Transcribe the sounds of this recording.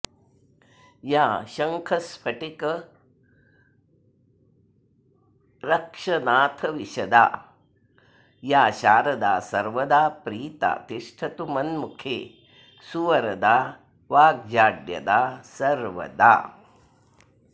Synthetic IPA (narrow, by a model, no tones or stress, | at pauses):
jaːʃɐŋkʰɐspʰɐʈikɐ | ɾɐkʂɐnaːt̪ʰɐʋiʃɐd̪a̰ː | jaːʃaːɾɐd̪aːsɐɾʋɐd̪aːpɾiːt̪a̰ːt̪iʂʈʰɐt̪umɐnmukʰeː | suʋɐɾɐd̪aː | ʋaːɡ̚d͡ʒaːɖjɐ̰d̪aːsɐɾʋɐ̰d̪a̰ː